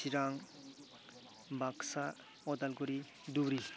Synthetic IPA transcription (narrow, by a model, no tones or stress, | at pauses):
iɾaŋ | baksa | ɔd̪alkɔɾi | d̪ubɾi